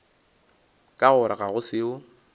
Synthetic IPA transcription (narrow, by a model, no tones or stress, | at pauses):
kʼaɣʊɾaɣaɣʊsɪʊ